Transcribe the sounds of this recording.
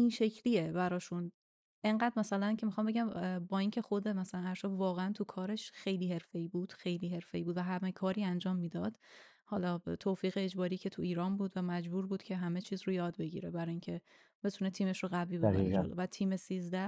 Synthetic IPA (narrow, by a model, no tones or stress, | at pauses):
inʃe̞cʰliebæɾɒːʃun | ʔe̞ŋɢæːd̪mæsælæncʲʰe̞mixɒmbeɟæmbɒːiːncʰe̞xod̪emæsælænæɾʃɒbvɒːɣeænt̪ʰukʰɒːɾe̞ʃxe̞jliːhe̞ɾfe̞iːbuːd̪̥xejliːɦe̞ɾfe̞iːbuːd̪væɦæmekʰɒːɾiːænd͡ʒɒːmːiːd̪ɒd̪̥ | hɒːlɒːt̪ʰoːfiːɣeːd͡ʒbɒːɾiːcʰe̞t̪ʰuiːɾɒːnbuːd̪væmæd͡ʒbuːɾbuːd̪cʰe̞ɦæme̞t͡ʃʰiːzɾujɒːd̪be̞ɟḭɾebæɾɒːjiːŋcʰe̞ | b̥e̞t̪ʰunet̪ʰiːme̞ʃroɣæbviːbd͡ʒo̰lo̰væt̪ʰiːmesiːzd̪æ